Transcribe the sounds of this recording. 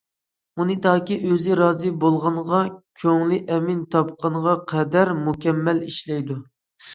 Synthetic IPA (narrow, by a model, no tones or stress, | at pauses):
unɨd̪ɑːkʲiʔøzɪɾɑːzɨbolˠʁɑnʁɑkʲʰøŋlɪʔɛmɪnt̪ʰɑp̚qɑnʁɑqʰɛd̪æɾmukʲɛmːæliʃlɛjd̪u